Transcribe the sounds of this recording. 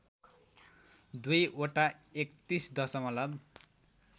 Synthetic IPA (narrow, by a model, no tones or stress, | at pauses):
d̪ujʔoʈaekt̪isd̪ʌsʌmʌlʌb